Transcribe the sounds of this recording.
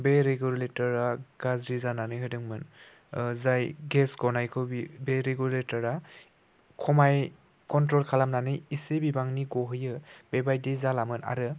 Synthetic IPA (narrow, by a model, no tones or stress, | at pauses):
beɾeɡuletɔɾaɡ̥azɾizananɯjɦɯdɯŋmɯn | zajɡesɡɔnajkʰɯbibeɾeɡuletɔɾa | kʰɔmaj | kɔntɾɔlkʰalamnanɯjisebibaŋniɡɔɦɯjɯbebajdezalamɯna̰ɾɯ